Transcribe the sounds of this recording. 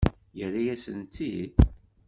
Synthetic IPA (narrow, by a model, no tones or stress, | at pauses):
jəɾːajæsənt̪ːid̪